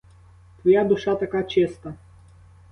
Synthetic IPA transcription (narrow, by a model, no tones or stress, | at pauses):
t̪ʋɐjad̪ʊʂat̪ɐkat͡ʃɛst̪ɐ